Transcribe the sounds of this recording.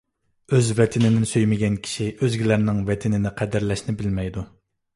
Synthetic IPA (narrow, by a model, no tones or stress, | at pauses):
øzvɛt̪ʰɪnɪnɪnsøjmɪɡʲɛnkʲʰi̥ʃiʔøzɡʲilæɾnɪŋvɛt̪ʰɪnɪnɪqʰæd̪ɪɾlɛʃnɪbɪlmɛjd̪u